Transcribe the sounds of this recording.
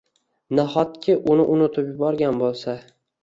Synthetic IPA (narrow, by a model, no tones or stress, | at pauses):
naχɒt̪̚kʲʰɪʔʊnɪʔʊnʊt̪ʰɪpjʊbɒɾɡʲanbolˠsa